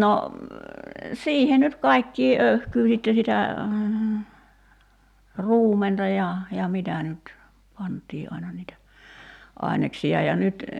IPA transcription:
no siːhe nyt kɑi̞kːiː ʔøy̞hkyː sitːe sitæ ruːmentɑ jɑ jɑ mitæ nyt pɑntˑiː ʔɑinɑ niːtæ ɑˑi̞neksiɑ jɑ nyt

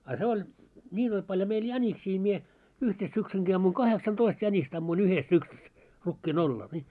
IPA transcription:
ɑ se olʲ nʲiːn olʲ pɑljo meil jæniksiː mie yhte syksyŋki ɑmːuiŋ kɑheksɑntoist jænʲist ɑmːuin yhes syksys rukːiːn orːɑːl ni

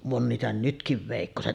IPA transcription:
on niːtæ nytkiʋ ʋeˑikːoset

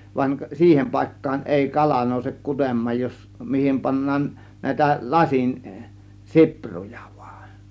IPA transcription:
ʋɑnʲ siːhem pɑˑe̝kːɑːn ʔeˑi kɑlɑ noˑusek kutemˑɑːj jos mihim pɑnːɑːn næˑe̝tæ lɑsin sipruj̊ɑ̥ ʋ̥u̥ɑ̥n̥

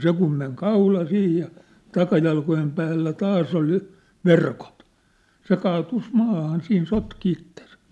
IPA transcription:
se kum meŋ kɑulɑ sih jɑ tɑkɑjɑlkojem pæːlːæ tɑːs ol jŏ ʋerkot se kɑːtus mɑːhɑn siːn sotki itːesæ̥

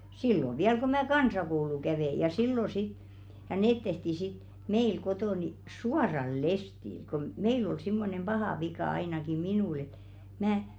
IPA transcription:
silːo ʋiæl ko mæ kɑnsɑkoulu kæʋeˑ jɑ silːo sit jɑ neːt tehti sit meil kotoˑ ni suɑrɑl lestil kom meil ol simːonem b̥ɑhɑˑ ʋikɑ ɑinɑki minuˑl et mæː

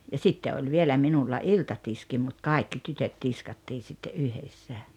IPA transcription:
jɑ sitːe olʲ ʋielæ minulːɑ iltɑtiski mut kɑˑikːi tytøt tiskɑtːiː sitːe ʔyhesːæ

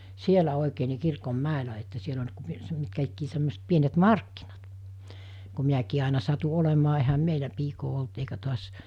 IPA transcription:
sielæ oˑikeː ni̞ kirkomːæˑelæ etːæ siel olʲ ku s mitkæ ikːiː semːoˑeset pienet mɑrkːinɑt ku miækiː ɑˑenɑ sɑtu olemɑː ehæm meilæ piːkoː olt eikæ to̝ɑs

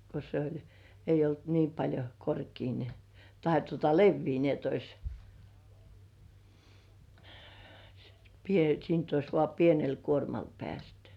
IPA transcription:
ko se olʲ eijˑ olt niː pɑlʲjo korkiː ni tɑhe tuotɑ leʋːiː ni et ois pie siːnt ois ʋŏɑˑ pienel kuormɑl pĕæˑstẙ

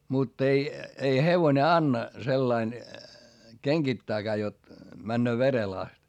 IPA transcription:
mutː ei ei heʋone ɑnːɑ selːɑin keŋɡ̊itːæːkæː jot mænːøː ʋerel ɑst

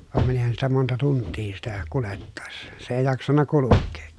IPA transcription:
ʋɑˑem mænihæn sitæ montɑ tuntːiː sitæ kuletːɑˑesːɑ̥ se eˑi jɑksɑnːɑ kulukːeː

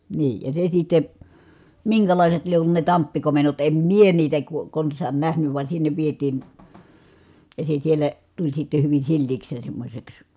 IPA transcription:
niː jɑ se sitːe miŋkælɑˑiset lie olːu ne tɑmpːikomenːot em mie niːtæ ko konsˑɑːn næhnyʋ ʋɑ sinːeʋ ʋietiːn̞ jɑ se sielæ tulʲ sitːe hyʋin̞ silːiːks jɑ semːosʲeks

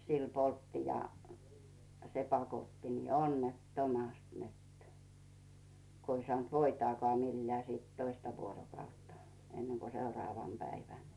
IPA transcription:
sil poltːi jɑ se pɑkotːi niː onːetːomɑst net ko i sŏɑˑnt ʋoitɑːkɑː milːæː siːt toistɑ ʋuorokɑutːɑ enːeŋko seurɑːʋɑn pæiʋæn

